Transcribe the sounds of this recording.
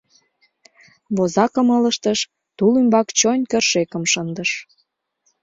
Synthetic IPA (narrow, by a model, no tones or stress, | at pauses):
βozɑkəmələʃt̪əʃ | t̪ulymbɑkt͡ɕonʲkərʃekəmʃənd̪əʃ